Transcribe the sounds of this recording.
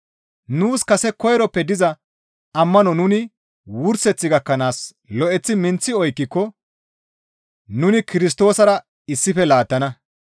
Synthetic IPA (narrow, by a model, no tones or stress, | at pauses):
nuːskɐsɛkɔjɛɾɔpːɛd̪ɪzɐ | ɐmːɐnɔnʊnɪ | wʊɾsɛt͡sːɪɡɐkːɐnaːs | lɔʔɛt͡sːɪmɪnt͡sːɪɔjkːɪkːɔ | nʊnɪkɪɾɪs̬t̪o̞ːsɐɾɐ | ɪsːɪfɛlaːt̪ːɐnɐ